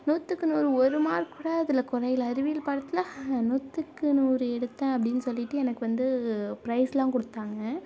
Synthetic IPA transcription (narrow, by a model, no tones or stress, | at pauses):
nuːt̪ːɯkːɯnuːɾɯɔɾɯmaːɾkuːɽaːɐðɪlɐkɔɾɐjɪlɐɾɪʋɪjɪlpaːɽɯt̪ːɯlaːnut̪ːɯkːɯnuːɾɯɛɽɯt̪ːãːɐpːɐɽɪnːɯsɔlːɪʈːɯɛnɐkːɯʋɐnd̪ɯpɪɾɐɪslãːkɔɽɯt̪ːaːŋɡɐ